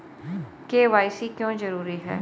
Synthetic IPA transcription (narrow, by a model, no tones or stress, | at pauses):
keːʋaːisiːkjõːzəɾuːɾiːɦɛ̰ː